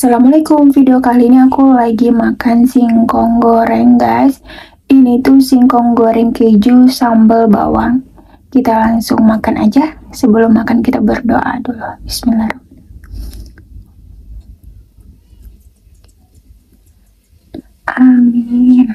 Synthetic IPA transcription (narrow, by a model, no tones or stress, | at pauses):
salamalakʊmfideokaliniakulaɡimakansiŋkɔŋɡɔɾɛŋɡas | init̪usiŋkɔŋɡɔɾɛŋkəd͡ʒusambəlba̰wa̰ŋ | kit̪alaŋsʊŋmakanʔa̰d͡ʒasəbəlʊmːakankit̪abərdo̰ʔa̰dɔlɔhbisminlaɾu | ʔamin